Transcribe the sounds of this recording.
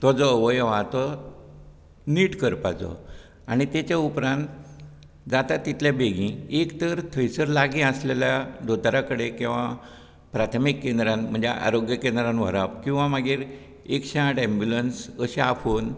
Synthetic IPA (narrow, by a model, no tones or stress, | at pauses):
t̪ɔd͡zɔʋəjʋat̪ɔ | niːʈkəɾpat͡sɔ̰ | aɽ̃it̪et͡ɕaupɾãnt̪ | d͡zat̪at̪ːit̪ljabeɡĩekt̪əɾt̪ʰəjsəɾlaɡĩəsleljad̪ot̪ɾakəɽekĩw̃ʋa | pɾat̪ʰmikːẽnd̪ɾanm̤əɳd͡zeʔa̰ɾoɡjəkend̪ɾanʋ̤ə̰ɾapkĩw̃ʋamaɡiːɾ | ekɕaaʈɛ̃mbjulənsəɕeafon